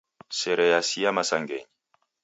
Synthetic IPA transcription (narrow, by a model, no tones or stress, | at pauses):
sɛɾɛjasiamasaŋɡɛ̰ɲi